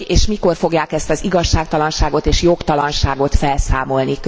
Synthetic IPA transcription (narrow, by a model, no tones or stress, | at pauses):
eːʃmiko̞rfo̞ɡjaːkɛst̪ɒziɡɒʃːaːk̚t̪ɒlɒnʃaːɡot̪eːʃjo̞kt̪ɒlɒnʃaːɡo̞t̪fɛlsaːmo̞lnik